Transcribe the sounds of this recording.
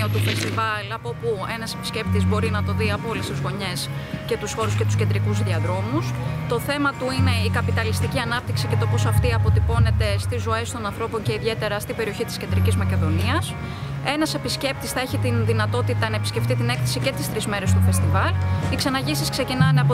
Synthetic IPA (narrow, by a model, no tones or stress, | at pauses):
ot̪ifest̪ivɐlɐpo̞pue̞nɐse̞pi̥sce̞p̚t̪izbo̞ɾinɐt̪o̞ðiɐpo̞list̪izɣo̞ɲe̞sce̞t̪usxo̞ɾusce̞t̪u̥scend̪ɾikuzðiɐðɾo̞must̪o̞θe̞mɐt̪uine̞ikɐpit̪ɐlist̪iciɐnɐp̚t̪iksice̞t̪o̞po̞sɐft̪iɐpo̞t̪ipo̞ne̞t̪e̞st̪izːo̞e̞st̪o̞nɐnθɾo̞po̞ɲce̞iðʝe̞t̪e̞ɾɐst̪ibe̞ɾio̞çit̪iscend̪ɾicizmɐce̞ðo̞niɐs | e̞nɐse̞pisce̞p̚t̪isθɐe̞çit̪inðinɐt̪o̞t̪it̪ɐnɐepi̥sce̞ft̪it̪̬ine̞kθesice̞t̪ist̪ɾizme̞ɾe̞st̪ufe̞st̪ivɐliksɐnɐʝisiskse̞cinɐneɐpo